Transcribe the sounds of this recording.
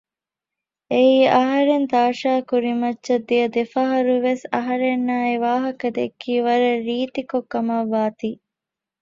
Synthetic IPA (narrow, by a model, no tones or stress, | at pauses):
eiːʔɐɦɐɾent̪aːʃaːkuɾimɐtːʃɐd̪ːijɐd̪efɐɦɐɾuʋesɐ̰ɦɐɾenːaːeʋaːɦɐkɐd̪ekːiːʋɐɾɐɾiːt̪ikokːɐmɐʋːaːt̪iː